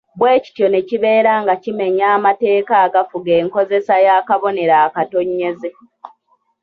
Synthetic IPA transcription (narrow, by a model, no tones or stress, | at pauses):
βwe̞ːci̥tjo̞ne̞ciβe̞ːɾaːŋɡacime̞ɲaːmate̞ːkaːɡafuɡeːŋko̞ze̞sajaːkaβo̞ne̞ɾaːkato̞ɲːe̞ze̞